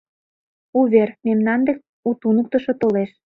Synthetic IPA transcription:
uβermemnɑnd̪ek̚ | ut̪unə̆k̚t̪ə̆ʃŏt̪oleʃ

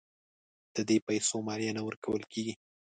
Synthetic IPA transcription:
d̪̥əd̪epajsomɑɾijɑnawəɾkʰawəlkʰeɡi

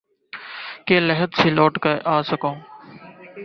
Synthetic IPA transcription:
keːləɦət̪siːloːʈkəʔaːsəkõː

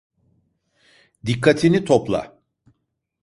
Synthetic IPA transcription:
d̪ikʰːat̪ʰinit̪ʰoplˠa̰

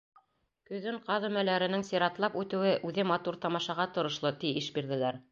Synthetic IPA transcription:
kɵ̆ðɘɴqɑðumælæɾɘ̆nɘŋsiɾɑt̪lˠɑpʉt̪ɘ̆wɘʔʉðɘmɑt̪uɾt̪ɑmɑʃɑʁɑt̪ŏɾŏʃlˠɤt̪iiʃbiɾðɘ̆læɾ

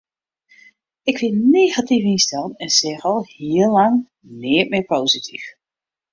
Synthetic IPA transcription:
ɪkʋɪneːɣatifɪnstɛlənɛnsɛχɔlˠhiːəlɑŋ | nɪːətmɪpowzitʰḭf

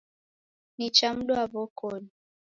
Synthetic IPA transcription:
nit͡ʃam̩ɗɔaβɔkɔni

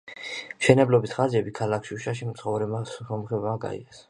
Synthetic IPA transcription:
mʃɛnɛblɔbisχaziɛbikʰalakʰʃiuʃaʃimt̪sʰχɔvɾɛasɔmχɛbaɡa̰ḭɛs

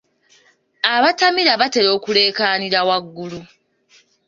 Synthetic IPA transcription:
aβatamiɾaβate̞ɾo̞ːkule̞ːkaːniɾawaɡːulu

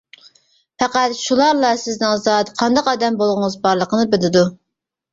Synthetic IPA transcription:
fɛqæt̪ʃulˠɑɾlˠɑsɪznɪŋzɑt̪qʰɑnd̪ɑqɑd̪ɛmbolˠʁʊŋəzbɑɾlˠəqʰənɨbɪlɪd̪u

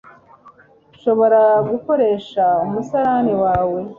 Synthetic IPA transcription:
uʃo̞βo̞ɾaɡuko̞ɾe̞ʃaumusaɾaniwaːwe̞

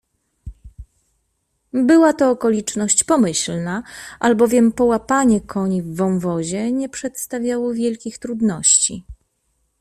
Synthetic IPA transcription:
bɘwat̪ɔːkɔlʲit͡ʂnɔɕt͡ɕpɔmɘɕlnaʔalbɔvʲjɛmpɔwapaɲɛkʰɔɲivːɔ̃w̃vɔʑɛɲɛpʂɛt̪st̪avʲjawɔvʲjɛlkʲixt̪ɾud̪nɔɕt͡ɕi

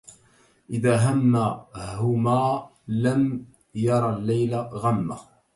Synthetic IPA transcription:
ʔɪðaːɦamːaɦʊmaː | lam | jɑɾˤɑlːajlaɣamːa̰

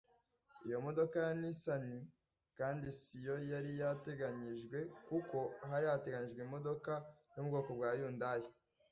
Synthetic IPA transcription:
ijo̞mo̞do̞kajanisani | kaːndisijo̞jaɾijate̞ɡaɲiʒɡwe̞kuko̞ɦaɾijate̞ɡaɲiʒɡwimo̞do̞kajubɡo̞ːko̞bwaːjuːndaje

